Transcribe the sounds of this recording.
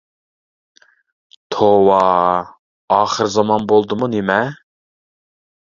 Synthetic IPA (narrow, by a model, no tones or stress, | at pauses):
t̪ʰowɑ | ɑːχəɾzɑmɑnbolˠd̪ɨmunemɛ